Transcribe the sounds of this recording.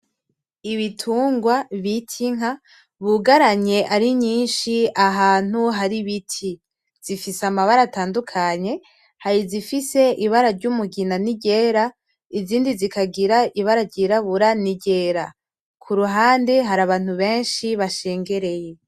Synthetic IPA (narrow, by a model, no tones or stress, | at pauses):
iβitʰuːŋɡwaβitʰiŋa | βuɡaɾaɲe̞ʔaɾiɲiːnʃiaɦaːn̥uɦaɾiβitʰi | z̥ifisamaβaɾataːndukʰaɲe̞ | haɾizifise̞iβaɾaɾɟumuɡinaniɟe̞ːɾa | iziːndizikaɡiɾaʔiβaɾaɟiɾaβuɾaniɟe̞ːɾa̰ | kʰuɾuɦaːndeɦaɾaβaːn̥huβe̞ːnʃiβaʃe̞ːŋɡe̞ɾe̞je̞